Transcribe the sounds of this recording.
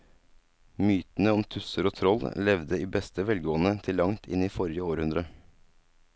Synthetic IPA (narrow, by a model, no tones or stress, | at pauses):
myːt̪n̩əɔmt̪ʰʉsəɾoːt̪ʰɾɔllɛʋd̪əiːbɛst̪əʋɛlɡoːənət̪ʰɪlːɑŋt̪ʰɪ̰niːfɔɾjəoːɾhʉnd̪ɾə